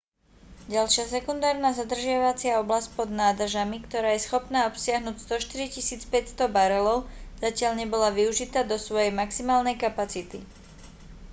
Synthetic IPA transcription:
ɟalʃɪasɛkund̪aːɾnazad̪r̩ʒɪaʋat͡sɪaɔblasc̚pɔd̪naːd̪r̩ʒamikt̪ɔɾaːjɛsxɔpnaːɔpsɪaɦnuːcst̪ɔʃt̪iɾicisiːt͡spɛcst̪ɔbaɾɛlɔʊz̥acɪaʎɲɛbɔlaʋiuʒit̪aːd̪ɔsʋɔjɛjmaksimaːlnɛjkapat͡sit̪i

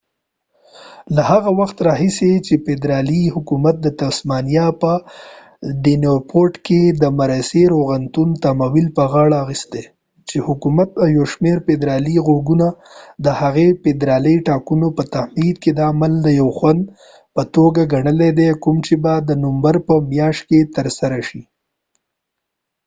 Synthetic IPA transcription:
lahaɣawaxt̪ɾɑɦiset͡ʃeped̪ɾɑlihʊkumat̪̚d̪ət̪asmɑnijapə | ɖinopʰoɾʈked̪əmaɾaseɾoɣant̪unt̪amawilpəɣɑɽaːxist̪e | t͡ʃehʊkumat̪awjawʃmeɾped̪ɾɑliɣoɡuna | d̪əhaɣeped̪ɾɑləjʈɑkunopət̪ahmid̪ked̪aːmald̪əjawxwand̪ | pət̪oɡaɡaɳəled̪ekʊmt͡ʃebad̪ənʊmbaɾpəmjɑʃt̪̚ket̪əɾsaɾaʃi

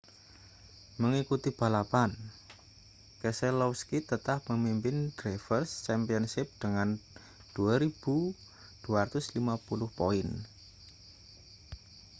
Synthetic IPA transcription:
məŋikut̪ib̥a̤lapan | kəsɛlɔwskit̪ət̪ahpəmimpɪnd̥ɾafərst͡ʃɛmpiɔnsɪp̚d̪̥əŋan | d̪̥uaɾib̥u | d̪̥uaat̪ʊslimapulʊhpoɪn

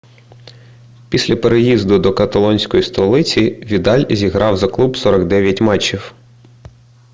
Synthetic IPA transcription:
pʲisʲlʲɐpeɾejizd̪ʊd̪ɔkɐt̪ɐlˠɔnʲsʲkɔjist̪ɔlˠɪt͡sʲiʋʲid̪ɑlʲzʲiɦɾɑwzɐklˠubsɔɾɔɡd̪ɛʋʲjɐtʲmɛt͡ʃːiw

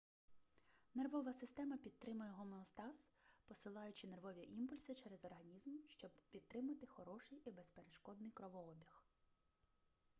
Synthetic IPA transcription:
nerʋɔʋɐsɪst̪ɛmɐpʲid̪̚t̪ɾɪmʊjɛɦɔmeɔst̪ɑspɔsɪlˠɑjʊt͡ʃɪnerʋɔʋʲiʔimpʊlʲsɪt͡ʃɛɾɛzɔrɦɐnʲizmʃt͡ʃɔbpʲid̪̚t̪ɾɪmɐt̪ɪxɔɾɔʃɪjibespeɾeʃkɔd̪nɪjkɾɔʋɔɔbʲix

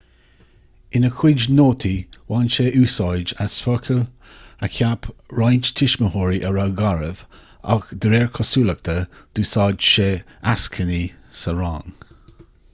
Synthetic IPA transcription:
ɪnəkʰwɪd͡ʒnoːt̪ʰiwaːnʃeːʔuːsɑːd͡ʒasfəɹkʰəl | əkʰapʰɹajnt͡ʃt̪ʰɪʃməhoːɹiʔəɹaɡaɹəv̥ | a̰kd̪ɾɛːɹkʰɔsuːlək̚t̪ʰəd̥̪uːsɑːd͡ʒʃeːaskʰəni | səɹa̰ːŋ

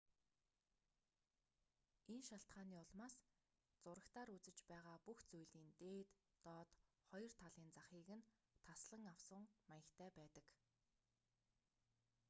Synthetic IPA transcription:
enʃaɬt̪ɢaːniːʊɮmaːs | t͡sʊɾə̆kt̪ʰaːɾut͡sɘ̆t͡ɕpæːʁaːpuxt͡sujɮiːnt̪eːt̪ː | ɔːt̪ | χɔjɞ̆r̥t̪ʰaɮiːnt͡saχiːɣɘ̆n | t̪ʰasɮə̆ŋawsə̆ŋmajə̆kt̪ʰæːpæːt̪ə̆k

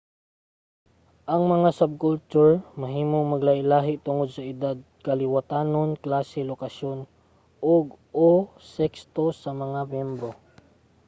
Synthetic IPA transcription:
ʔɐŋmɐŋasab̚kʊlt͡ʃuɹmɐɦiːmoŋmɐɡlahɪlaːɦɪʔt̪ʊŋod̪̚sɐʔɪd̪ad̪̚kɐlɪwat̪aːnonklaːsɪlokɐʃon | ʔoɡ | osɛkst̪osɐmɐŋamjɛmbɾo

